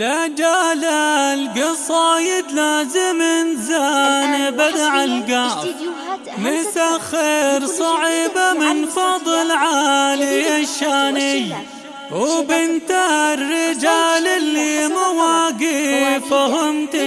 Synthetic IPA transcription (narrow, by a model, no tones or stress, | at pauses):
lad͡ʒaːlalɡɪsˤɑːjɪd̪laːzɪmɪnzanɪbad̪aʕalɡa | mɪsaxeːɾsˤɑʕiːbamɪnfɑd̪ˤɨlʕalɪjaʃːaːnɪj | wbɪnt̪aɾːɪd͡ʒaːlɪlːimʊwaɡifaɦʊmt̪ɪ